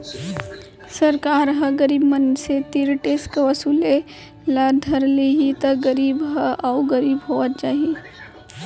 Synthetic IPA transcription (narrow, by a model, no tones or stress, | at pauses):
səɾkaːɾɦəɡəɾiːbmənset̪iɾʈeskʋəsuːle | lad̪ʱəɾliɦit̪əɡəɾiːbɦəaʊɡəɾiːbɦoʋət̪̚t͡ʃaːɦi